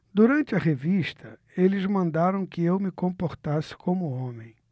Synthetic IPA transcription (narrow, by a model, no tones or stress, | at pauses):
d̪uɾɐ̃nt͡ʃɪɐʁeviʃt̪ʰɐ | elɪzmɐ̃nd̪aɾɐ̃w̃kɪewmɪkõmpoɾt̪asɪ̥kʰõmʊõmẽj̃